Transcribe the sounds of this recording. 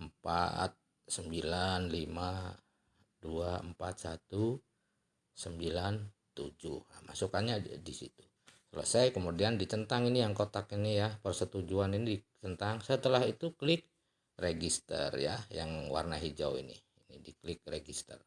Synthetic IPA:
əmpa̰t̪̚ | səmbilanlima | duaəmpat̪sat̪u | səmbilan | t̪ud͡ʒuhəma̰sukanɲadisḭt̪u̥ | sələ̰sajkəmudiandit͡ʃənt̪aŋinijaŋkot̪akinijapərsət̪ud͡ʒuaninidit͡ʃənt̪aŋsət̪əlahit̪uklɪk̚ | reɡist̪ə̰rja̰jaŋwa̰rnaɦid͡ʒawḭnḭ | inidiklɪk̚reɡist̪ə̰r

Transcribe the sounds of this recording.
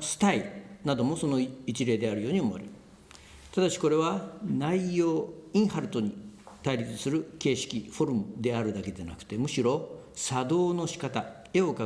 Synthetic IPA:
sɨ̥t̪ainad̪o̞mo̞so̞no̞it͡ɕiɾe̞ːd̪e̞aɾɯ̟jo̞ːɲ̟iomoa̰ɾeɯ | t̪ad̪aɕi̥ko̞ɾe̞β̞anaijo̞ːĩɰ̃haɾɯ̟t̪o̞ɲ̟it̪aiɾʲit͡sɨ̥sɨɾɯ̟ke̞ːɕi̥kʲiɸo̞ɾɯmɯd̪e̞aɾɯ̟d̪ake̞d̪ena̰kɯ̥t̪e̞mɯ̟ɕiɾo̞sad̪o̞ːno̞ɕi̥kat̪a | e̞o̞ka

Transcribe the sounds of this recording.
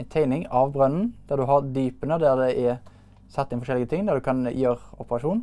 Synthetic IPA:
nt̪ʰæɪnɪŋɑʋbʁœnn̩d̪̥æʁd̪ʉɦɑʁd̪yːpənəd̪æʁd̪ɛʔɛ | sɛt̪ːɪnfɔʂʃɛlɪɡət̪ʰɪŋd̪æʁd̪ʉkʰɑnjøːʁɔpəʁɑʂuːn

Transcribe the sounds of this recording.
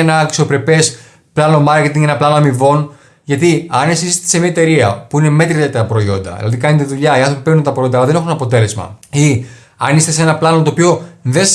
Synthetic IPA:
enɐksopɾe̞pe̞s | plɐno̞mɐɾce̞t̪iŋɡenɐplɐnoɐmivo̞n | ʝɐt̪iɐnesisist̪esemiɐet̪e̞ɾiɐ̰puine̞me̞t̪ɾit̪et̪ɐɐpɾo̞io̞̰nd̪ɐ̰ðḭlɐ̰ðikɐnet̪eðuʎɐiɐnθɾo̞pipeɾnunt̪ɐpɾojo̞nd̪ɐːlɐðe̞ne̞xunɐpo̞t̪e̞le̞zmɐ̰i | ɐ̰nist̪e̞senɐplɐnot̪oːpio̞ðe

